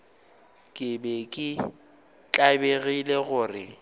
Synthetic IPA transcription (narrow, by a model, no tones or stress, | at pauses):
kʼɪbɛkʼɪ | t͡ɬʼabeɣileɣʊːrɪ